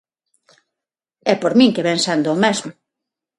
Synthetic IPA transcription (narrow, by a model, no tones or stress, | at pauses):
ɛpoɾmĩŋkeβɛnsand̪ʊːmɛzmʊ